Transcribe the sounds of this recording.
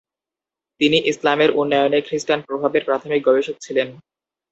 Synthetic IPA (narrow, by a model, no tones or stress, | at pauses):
t̪iniʔislameɾʔunːajonekɾisʈanpɾobʱabeɾpɾat̪ʰomik̚ɡɔbeʃot̪̚t͡ɕʰilen